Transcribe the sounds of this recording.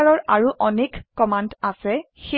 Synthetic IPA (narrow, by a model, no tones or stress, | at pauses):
aɹɔɹaɹuʔɔnekkɔmandasɛ | xe